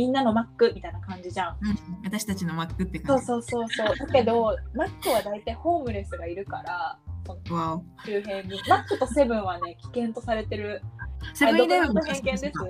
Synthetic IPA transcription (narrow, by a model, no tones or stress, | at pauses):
mʲĩnːano̞makːɯ̟mʲit̪ainakãɲ̟d͡ʑiʑãβat̪aɕi̥t̪at͡ɕinomakːɯt̪ːekso̞ːso̞ːso̞ːso̞ːd̪ake̞d̪o̞makːɯ̟βad̪ait̪aiho̞ːmɯ̟ɾe̞sɨɡaiɾɯ̟kaɾaso̞na | ɕɨːɦẽ̞ɲɲimakːɯ̟t̪o̞se̞bɯ̟̃ɰ̃βane̞kʲi̥kẽ̞nt̪o̞saɾe̞t̪e̞ɾɯ̟saod̪eoɦeŋkẽnd̪e̞sɨ